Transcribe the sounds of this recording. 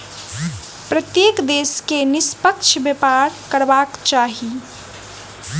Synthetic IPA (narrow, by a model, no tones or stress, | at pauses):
pɾət̪jekd̪eskenɪspəkt͡ʃʰbjəpaɾkəɾbakt͡ʃaːɦi